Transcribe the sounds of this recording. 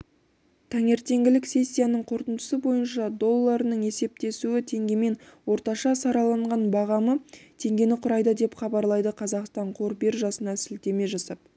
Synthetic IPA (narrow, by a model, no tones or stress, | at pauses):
t̪ʰæŋe̞ɾt̪e̞ŋɡʲɪlɪkse̞sʲːijanəɴqʰo̞ɾt̪ənd̪əsəbo̞jənʃɑd̪o̞lˠːɑɾənəɴe̞se̞p̚t̪e̞suɪt̪ʰe̞ŋɡʲeme̞nwo̞ɾt̪ɑʃɑsɑɾɑlˠɑɴʁɑnbɑʁɑmət̪ʰe̞ŋɡʲe̞nɪqʰʊɾɑjd̪əd̪e̞pχɑbɑɾlˠɑjd̪əqʰɑzɑqst̪ɑɴqʰoɾbe̞ɾʒɑsənɑsɪlt̪e̞me̞ʒɑsɑp̚